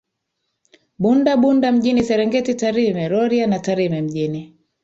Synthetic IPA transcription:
ɓundaɓundam̩ʄinisɛɾɛŋɡɛtitaɾimɛɾɔɾianataɾimɛm̩ʄini

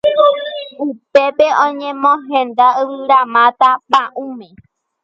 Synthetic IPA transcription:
upe̞pe̞õɲẽmõɦẽnd̪aɨwɨɾamãt̪apãʔũmẽ

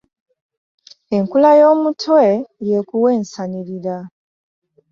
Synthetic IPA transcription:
e̞ŋkulajo̞ːmutʰweje̞kuwe̞ːnsaniɾiɾa

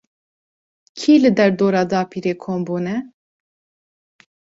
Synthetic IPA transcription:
kʰiːlɨd̪ɛɾd̪oːɾɑːd̪ɑːpʰiːɾeːkʰoːmbuːnɛ

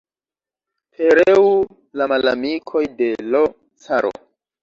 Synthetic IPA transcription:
pʰeɾeu | lamalamikʰo̞jde̞lo | t͡saɾo̰

